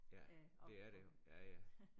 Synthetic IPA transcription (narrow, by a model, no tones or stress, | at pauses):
jæd̥e̝æɐɾ̥ejojæjæ